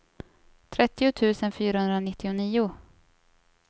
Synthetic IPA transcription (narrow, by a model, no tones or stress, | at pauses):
t̪ʰɾɛt̪ːɪʊt̪ʰʉ̟ːsənfyːɾahɵnd̪ɾanɪt̪ːɪʊniːʊ